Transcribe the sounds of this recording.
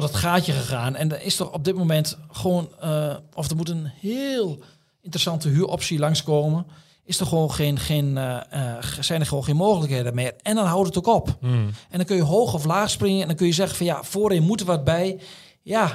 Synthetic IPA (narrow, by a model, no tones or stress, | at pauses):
ɔdɔtxaːtjəxəxaːnɛndəɪstɔxɔp̚dɪtmomɛntxʋoːnɔfdərmutənhɪːlˠ | ɪntərəsɑntəɦyəʔɔpsilɑŋskoːmə | ɪsdɔxʋoːnxeːnxeːn | sɛjndəxəoːnxeːnmoːxələkheːdəmɪːrɛndɔnɦawdətokɔpʔɛndɔnkønjəɦoːxɔflaːxsprɪŋəɛndɔnkønjəzɛɣənfɔnjafoːɾɪnmutəʋəɔt̚bɛj | ja